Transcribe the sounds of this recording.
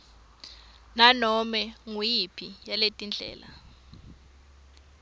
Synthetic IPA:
nanɔmɛŋujipʰijaletʼind͡ɮʱɛ̰ːla̰

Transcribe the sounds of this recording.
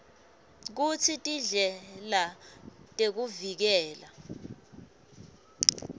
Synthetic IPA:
k̬ut͡sʰitʼiɮɛlatʼek̬uvik̬ɛːla

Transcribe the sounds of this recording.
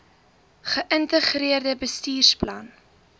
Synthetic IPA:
χəʔəntəχriərdəbəstiːrsplɐn

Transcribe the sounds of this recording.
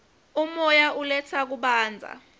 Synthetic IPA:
umɔjaʔulɛt͡sʰak̬uɓaːnd͡zʱa̰

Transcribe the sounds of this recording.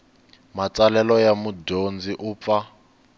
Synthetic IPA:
mat͡salɛlɔjamudond͡ziʔuːp̪fa

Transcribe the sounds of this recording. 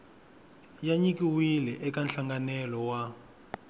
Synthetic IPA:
jaɲik̬iwilɛʔɛkanɬaŋɡanɛlɔwa

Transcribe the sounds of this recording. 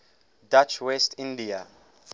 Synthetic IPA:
dat͡ʃʰwɛstʰĩndia

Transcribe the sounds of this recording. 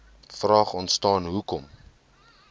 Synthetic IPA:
frɑːχɔntstɑːnɦukɔm

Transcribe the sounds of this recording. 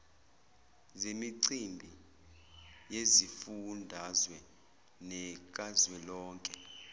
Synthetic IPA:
zemiǀimbʱi | jezifundʱazwɛ | nɛk̬ʼazwɛlɔːŋkʼɛ

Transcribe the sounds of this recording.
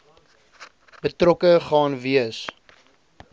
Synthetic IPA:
bətrɔkəχɑːnviəs

